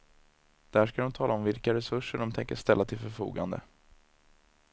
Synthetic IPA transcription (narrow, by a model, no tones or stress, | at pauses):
d̪̥æʂkad̪ɔmt̪ʰɑːlʔaɔmvɪlkaɾɛsɵʂəɖɔmt̪ʰɛŋkəʂt̪ɛlːat̪ʰɪlfœɾfṵːɡand̪ə̰